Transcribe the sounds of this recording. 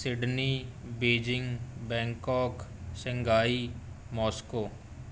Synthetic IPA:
sɪɖnibeːd͡ʒɪ̃ŋɡbɛ̃ːŋkɔːksɪ̃ŋɡaːi | mɔːskoː

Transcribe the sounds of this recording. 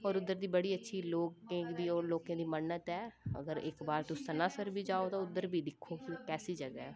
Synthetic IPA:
ɔːɾʊd̪ːəɾd̪iːbəɽiːətːʃʰiːloːkẽːd̪iːɔːɾloːkẽːd̪iːmənːət̪ɛːə̰ɡəɾɪ̰kbaːɾt̪ʊsːənãːsəɾbʱiːd͡ʒaːoːt̪ãːʊd̪ːəɾbʱiːd̪ɪkʰːoːkikɛːsiːd͡ʒəɡaɛː

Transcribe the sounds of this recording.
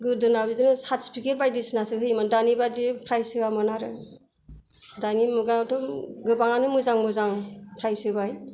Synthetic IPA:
ɡɯdɯnaidɯnɯsatspiket̚bajdisnasɯɦɯjmandanibadipʰɾajsɯbamɔnaɾɯ | danimɯɡatɔɡɯbaŋanɯmɯzaŋmɯzaŋpʰɾajsɯbaj

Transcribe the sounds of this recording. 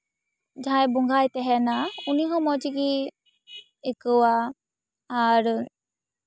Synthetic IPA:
d͡ʒʱajbuŋɡʱajtɛɦɛnauniɦɔmɔd͡ʒiɡi | ekɯwaː | ɾ

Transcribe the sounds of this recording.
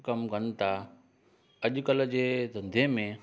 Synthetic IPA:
kɐmkɐnt̪ʰa | ɐʄkəld͡ʑeːd̪ʱɐ̃nd̪ʱemẽ

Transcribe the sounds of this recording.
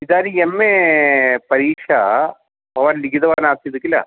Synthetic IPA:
id̪aːɾiemːe | pɐɾiːʂa | pɐʋɐnliɡid̪ɐʋaːnaːt̪id̪ɯkːila̰

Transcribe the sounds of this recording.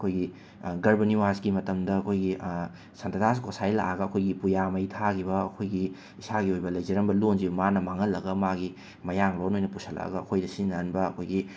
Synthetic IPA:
ɐkʰojɡi | ɡɐɾbɐniwasɡimɐtɐmdɐːkʰojɡi | sɐntɐtas̬kʰosajla̰ɡɐɐkʰojɡipujamɐjtʰaɡiβɐːkʰojɡi | isaɡiojbɐlɐjzɐɾɐmbɐlonzibɐmanɐmaŋɐlːɐɡɐmaɡi | mɐjaŋlonojnɐpusɐla̰ɡɐɐkʰojdɐsinːɐnbɐːkʰojɡi

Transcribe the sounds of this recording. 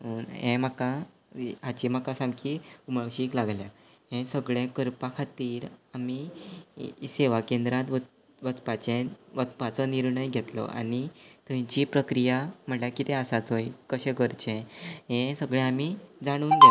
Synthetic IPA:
ɦunɦɛ̃m̤aka | ɦat͡ɕim̤akasãmkʰiuməɭɕiːklaɡlja | ɦɛ̃səɡɭẽkəɾpakʰat̪iːɾami | seʋakend̪ɾat̪ʋə | ʋət͡spat͡ɕẽʋət͡spat͡sɔniɾɳəjɡʱet̪lɔ̰ʔa̰nit̪əĩt͡ɕipɾəkɾijam̤əɳljakit̪ɛ̃əsat̪ɦoikəɕɛ̃ɡəɾt͡ɕɛ̃ɦɛ̃səɡɭɛ̃amid͡zaɽ̃uːnɡʱe

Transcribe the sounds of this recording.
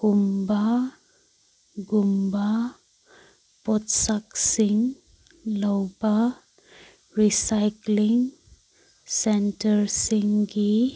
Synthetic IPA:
kumba | ɡumba | pɔtsaksiŋ | lɔwba | ɾisajkliŋ | sentəɾsiŋɡi

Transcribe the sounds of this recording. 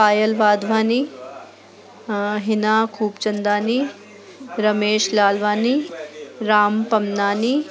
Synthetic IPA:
paːjəlʋaːd̪ʋaːni | ɦɪnaːkʰuːpt͡ʃɐnd̪aːni | ɾɐmeːʃlaːlʋaːni | ɾaːmpɐmnaːni

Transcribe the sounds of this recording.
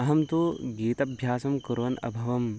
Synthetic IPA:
ɐɦɐmt̪uɡiːt̪ɐbʱjaːsɐmkuɾʋɐnɐ̰bʱɐʋɐm

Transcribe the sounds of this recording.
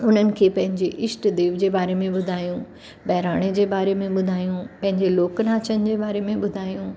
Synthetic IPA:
ʊn̤ənɪ̆kʰeːpɐ̃ɦɪ̃ɲd͡ʑeʔɪʃʈd̪eːʋd͡ʑeːbaːɾemẽɓʊd̪ʱaːjũ | bɐɦɾaːɽ̃ed͡ʑeːbaːɾemẽɓʊd̪ʱaːjũpɐ̃ɦɪ̃ɲd͡ʑeloːkənaːt͡ɕʰənɪ̆d͡ʑeːbaːɾemẽɓʊd̪ʱaːjũː

